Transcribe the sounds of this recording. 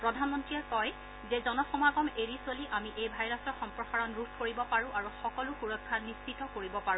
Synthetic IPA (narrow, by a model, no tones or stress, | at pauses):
pɹɔdʱanmɔntɹiaɹkɔj | zɛzɔnɔxɔmaɡɔmeɹiswaliʔamiʔejbʱajɹasɔɹxɔmpɹɔxaɹɔnɹupʰkoɹibɔpaɹʊ̃ʔaɹuxɔkɔlʊxuɹɔkʰːanːistʰitɔkoɹibɔpaɹũ